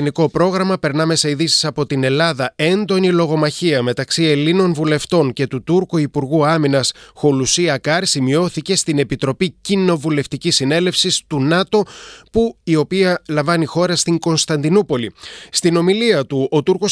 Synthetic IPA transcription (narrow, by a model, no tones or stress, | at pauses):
niko̞pɾo̞ɣɾɐmɐpe̞ɾnɐme̞sɐiðisi̥sɐpo̞t̪ine̞lɐðɐe̞nd̪o̞nilo̞ɣo̞mɐçiɐme̞t̪ɐksie̞linonvule̞ft̪o̞ŋce̞t̪ut̪uɾkoipuɾɣuɐminɐsxo̞lusiɐkɐɾsimio̞θice̞st̪ine̞pit̪ɾo̞picino̞vule̞ft̪icisːine̞le̞fsist̪unɐt̪o̞puio̞piɐlɐɱvɐnixo̞ɾɐst̪iŋɡo̞nst̪ɐnd̪inupo̞list̪ino̞miliɐt̪uo̞t̪uɾko̞s